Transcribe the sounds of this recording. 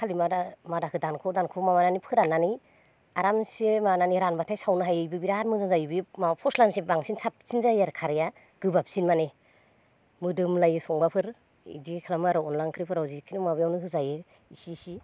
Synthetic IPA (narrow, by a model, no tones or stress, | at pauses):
kʰalimadamadakʰɯdankʰɔdankʰɔmamananipʰɯɾanːanij | aɾamsimananiɾanbatʰajsawnɯɦajɯjbɯbiɾaɾmɯzaŋzajbɯmapʰɔslansibaŋsinsʰap̚sinzajaɾkʰaɾja | ɡ̥ɯbap̚sinmane | mɯdɯmlajisɔŋbapʰɯɾ | ḭdikʰalamɯaɾɯɔnlaŋkʰɯɾipʰɯɾawzikʰinumabɯjawnɯɦɯzaje | isisi